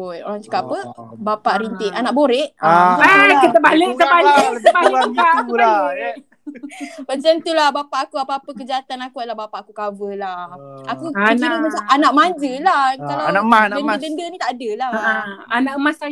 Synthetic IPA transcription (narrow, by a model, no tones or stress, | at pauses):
ojo̰ɾaŋt͡ʃə̥kapəbapaʔɾint̪ɪʔanaʔboɾɛʔaət̪əbalət̪əbalbaaua | bəɲt͡ʃant̪ulahbapaʔakuapaːpəkəd͡ʒiat̪anakulahbapaʔakukavəlahakuand͡ʒiɾimət͡ʃaanaʔmãd͡ʒəlahkalaaandənədəndənit̪aʔadəlaanaʔəmasa